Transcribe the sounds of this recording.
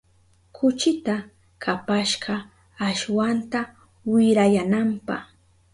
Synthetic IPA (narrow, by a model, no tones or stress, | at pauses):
kʰʊt͡ʃɪt̪a | kʰapaʃɢɑ | aʃwant̪a | wɪɾajanampɑ̰χ